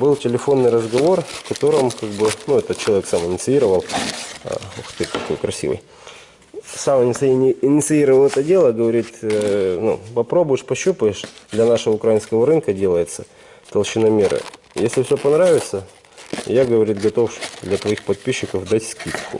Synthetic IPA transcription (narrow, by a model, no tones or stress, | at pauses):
bɨlˠtʲɪlʲɪfo̞nːɨjrəzɡɐvo̞rfkɐt̪o̞ɾəmkaɡ̚bɨnuɛt̪ət̪̚t͡ɕɪlˠɐvʲeksamɪnʲɪt̪sɨiɾəvəl̰ˠ | xt̪ɨt̪ɐko̞jkɾɐsʲḭvɨ̰j | samɪnʲɪt̪sɨinʲɪɪnʲɪt̪sɨiɾəvəlˠɛt̪ədʲe̞lˠəɡəvɐɾʲit̪nṵpɐpɾo̞bʊjɪʂpɐɕːupəɪʂd̪lʲɐnaʂəvəʊkɾɐainskəvəɾɨnkədʲe̞lˠəjɪt̪sə | t̪ɐlˠɕɪnɐmʲeɾɨ̰ | jesʲlʲɪfsʲɵpɐnɾavʲɪt̪sə | jaɡəvɐɾʲit̪ɡɐt̪o̞fd̪lʲɐt̪vɐixpɐt̪̚pʲiɕːɪkəvd̪atʲskʲit̪kʊ̰